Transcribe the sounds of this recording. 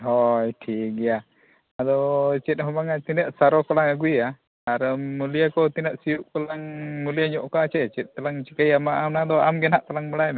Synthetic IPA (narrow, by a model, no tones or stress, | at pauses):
ɦɔjʈʰiɡija | ad̪ɔt͡ʃɛt̪̚ˀɦɔmaŋat̪inəʔsaɾɔkɔlaŋaɡuia | aɾəmulijakɔt̪inəʔsijuʔkɔlaŋmulijaɲɔʔkaʔt͡ʃɛʔt͡ʃɛt̪̚ːalaŋt͡ʃikajamaʔamnad̪ɔamɡɛnaʔt̪alaŋməɽajm